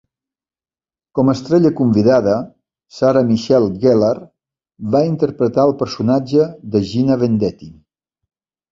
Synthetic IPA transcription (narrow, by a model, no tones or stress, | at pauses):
kɔməst̪ɾɛʎəkumbiðaðə | saɾəmiʃɛlˠɡɛlar | βaint̪əɾpɾət̪aəlˠpəɾsunad͡ʒəðəʒinəβend̪ɛt̪i